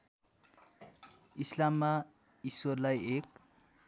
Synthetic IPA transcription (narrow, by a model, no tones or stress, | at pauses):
islamːa | iswʌrlajek̚